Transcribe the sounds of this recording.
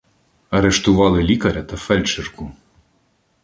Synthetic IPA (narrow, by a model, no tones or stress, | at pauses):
ɐɾeʃt̪ʊʋɑlˠɪlʲikɐɾʲɐt̪ɐfɛlʲt͡ʃerkʊ